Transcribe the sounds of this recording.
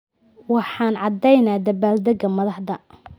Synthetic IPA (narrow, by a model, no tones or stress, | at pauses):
wɑħɑːnʕɑd̪ɛjnaːd̪ɐbaːld̪ɐɡɐmɐðɑħd̪ɐ